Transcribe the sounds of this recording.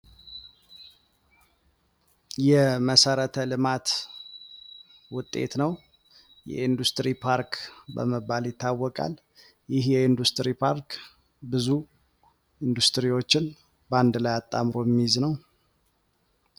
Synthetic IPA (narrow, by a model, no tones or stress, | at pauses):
jɛməsəɾət̪ʰəlɨmat̪ | wʊt̪ʼːe̞̰t̪nəw | jɛ̰ind̪ust̪ʼɾipʰaɾkbə̰məbːaljɪt̪ːawːɔkʼa̰l | jɪhjɛind̪ust̪ʼɾipʰaɾk | bɨzu | ind̪ust̪ɨɾiwo̞t͡ʃːɪn | band̪lajat̪ʼːamɾo̞mːiznəw